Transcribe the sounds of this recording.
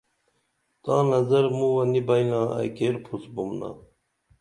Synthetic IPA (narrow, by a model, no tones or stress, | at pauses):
t̪ɑ̃ːnɐzɐɾmuwɐnibɐjnãːa̰jkeːɾpʰusbumna̰